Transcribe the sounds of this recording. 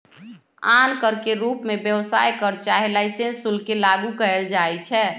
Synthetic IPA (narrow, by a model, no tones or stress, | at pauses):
ankəɾkeɾuːpmẽbjəwsa̰jkəɾt͡ʃaɦelaɪsensulkelaɡukəəld͡ʒaɛt͡ʃʰɛː